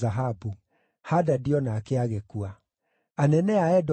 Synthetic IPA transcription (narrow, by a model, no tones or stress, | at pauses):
aɦabu | hadadiɔnakɛaɣekua | anɛnɛaɛd